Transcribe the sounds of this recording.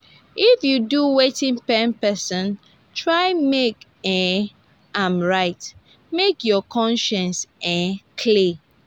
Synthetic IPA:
ifjuduwetĩŋpɛ̃npɛsɔ̃n | tʰɹaɪmek | ɛ̃ | ãmɹaɪt | mekjɔkʰɔ̃nʃɛ̃nsɛ̃kʰli

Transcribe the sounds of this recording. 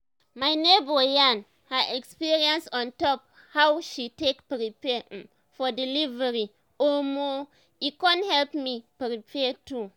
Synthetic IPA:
majnebojãn | haɛkspiɹiãnstɔ̃ntɔp | hawʃitekpɾipɛ̃ | fɔdilivəɹi | ɔmo | ikãnthɛlpmipɾipʰɛtu

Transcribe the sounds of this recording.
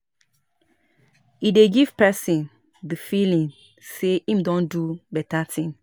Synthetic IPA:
ideɡiv̥pɛsĩn | dəfilĩŋ | seʔĩmdɔ̃ndubɛtatʰĩŋ

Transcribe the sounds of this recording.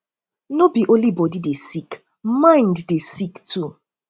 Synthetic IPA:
nobiʔõnlibɔdidesik | mãɪ̃ndːesiktʰu

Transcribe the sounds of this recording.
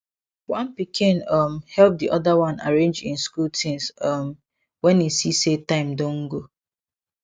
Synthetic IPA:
wãnpikʰɪ̃nʌmhɛlp̚diʔɔdawãna̰ɹẽnd͡ʒɪ̃nskultʰɪ̃nsʌm | wɛ̃nisisetãɪ̃mdõŋ̩ɡo

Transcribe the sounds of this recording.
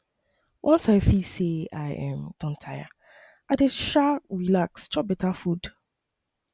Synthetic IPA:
wʔɔ̃nsaɪfiseaɪɛ̃md̥ɔ̃ntʰaja̰ | ʔadeʃaɹilakst͡ʃɔp̚bɛtafud̥

